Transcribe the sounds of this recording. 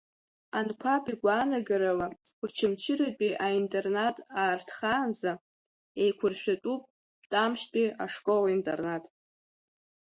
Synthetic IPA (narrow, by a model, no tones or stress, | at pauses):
ankʷʰapʰʼiɡʷaːnaɡaɾalaut͡ʃʰɪmt͡ʃʰɪɾat͡pʼiʔaintʼe̞rnatʼaːrtʰχaːnza | ejkʷʰʊrʃᶣatʼupʼ | tʼamʃtʼiaʂkʼolintʼḛrnatʼ